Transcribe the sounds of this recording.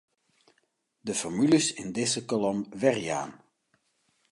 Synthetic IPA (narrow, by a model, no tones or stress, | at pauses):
dəfɔɹmyləsɪndɪzəkɔlɔmʋɛrija̰ːn